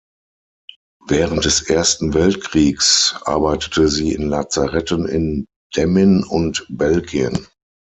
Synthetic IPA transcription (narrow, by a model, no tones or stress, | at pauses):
vɛːʁənt̚d̥ɛsʔeːɐstn̩vɛltkʁ̥iːksʔa̰ɐbaɪtə̥tʰəziːɪ̰nlat͡saʁɛtənɪ̰n | d̥ɛmɪnʊntbɛlɡiən